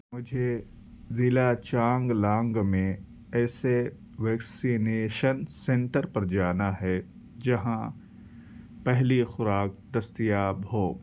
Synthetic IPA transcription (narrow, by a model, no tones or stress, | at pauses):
mʊd͡ʒʱe | zɪlat͡ʃãːŋɡlãːŋɡmẽ | ɛːse | ʋɛːksineːʃənsẽɳʈəɾpɐɾd͡ʒaːnaɦɛ | d͡ʒɐɦã | pɛɦlixʊɾaːk̚d̪ɐst̪ijaːbɦoː